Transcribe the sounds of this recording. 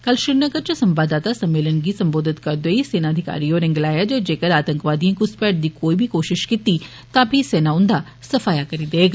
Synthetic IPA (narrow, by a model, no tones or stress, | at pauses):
kɐlʃɪɾnəɡəɾt͡ʃəsɐ̃mbaːd̪aːt̪asɐmːeːlənɡiːsɐmboːd̪ʱɪt̪kɐɾd̪oiseːnaːd̪ʱɪka̰ːɾioːɾɪ̃ŋɡlaːjad͡ʒed͡ʒeːkəɾaːt̪ə̃ŋkʋaːd̪ijãkʊspɛːʈ̚d̪iːkoːibʱikoːʃɪʃkɪt̪i | t̪ãːpʰiseːnaʊnd̪aː | səfaːjakəɾid̪eːɡa